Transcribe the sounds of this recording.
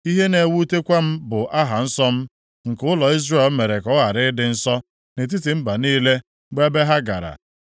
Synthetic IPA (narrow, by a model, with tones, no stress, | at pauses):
i˦ɦe˦ne˨wu˦te˦kʷa˦m̩˦bʊ˨ʔa˦ɦa˨n̩˦sɔ˦m̩˦ | ŋ̩˨kʊ˦lɔ˨i˦zre˦˨lme˨ɾe˨kɔ˦ɣa˨ɾɪ˦dɪ˨˦n̩˦sɔ˦ | ne˨t̬i˦ti˨m̩˦ba˨niː˦le˦ | ɡ͡be˦be˦ɦa˦ɡa̰˨ɾa̰˨